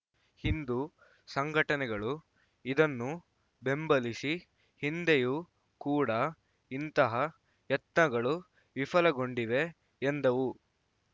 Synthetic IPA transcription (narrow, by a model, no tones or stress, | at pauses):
hind̪u | sɐŋɡʱɐʈɐnɛɡɐɭu | id̪ɐnːu | be̞mbɐlisi | hind̪eju | kuːɽɐ | int̪ɐɦɐ | ɐt̪nɐɡɐɭu | ʋifɐlɐɡo̞ɳɖiʋe̞ː | nd̪ɐʋu